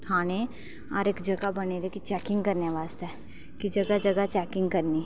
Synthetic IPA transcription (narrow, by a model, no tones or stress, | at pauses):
kʰaːñe | ɔ̰ːɾeːkd͡ʒɐɡabɐneɾekit͡ʃɛːkɪ̃ŋɡkɐɾnjaʋaːzɛ | kid͡ʒɐɡad͡ʒɐɡat͡ʃɛːkɪ̃ŋɡkɐɾni